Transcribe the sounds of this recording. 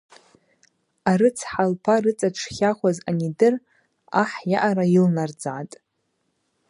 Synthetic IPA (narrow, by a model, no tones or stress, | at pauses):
aɾɨt͡sʰħalpʰarɨt͡sʼaʈ͡ʂʰχʲaχʷazanidɨr | aħjaʔaɾailnard͡zaʕatʼ